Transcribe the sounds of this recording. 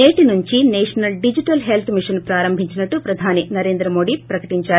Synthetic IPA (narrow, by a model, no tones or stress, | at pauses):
neːʈinuɲt͡ʃineːʂɐnɐlɖid͡ʒiʈɐlɦelt̪ʰmiʂɐnpɾaːɾɐmbʱiɲt͡ʃinɐʈːupɾɐd̪ʱaːninɐɾe̞ːnd̪ɾɐmo̞ːɖipɾɐkɐʈiɲt͡ʃaːɾ